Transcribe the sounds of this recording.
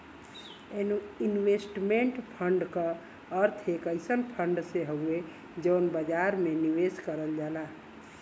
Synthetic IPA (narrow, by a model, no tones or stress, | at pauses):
enuinwesʈmeɳʈpʰəɳɖkə | əɾt̪ʰekəɪsənpʰəɳɖseɦəue | d͡ʒəːnbəd͡ʒaɾmeniweskəɾəld͡ʒala